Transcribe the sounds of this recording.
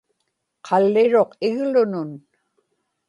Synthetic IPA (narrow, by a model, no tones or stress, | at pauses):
qʰɑlːɪɻo̞qɪɣlʊnʊn